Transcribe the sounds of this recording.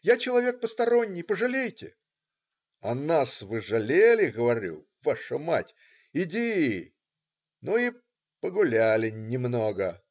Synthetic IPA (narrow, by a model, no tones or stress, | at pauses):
jat͡ɕɪlˠɐvʲe̞k̚pəst̪ɐɾo̞nʲːɪjpəʐɨlʲejtʲɪ̰ | ɐnasvɨʐɐlʲelʲɪɣəvɐɾʲṵ | vaʂəmatʲ | ɪdʲi | nui | pəɡʊlʲalʲɪnʲɪmnoɡə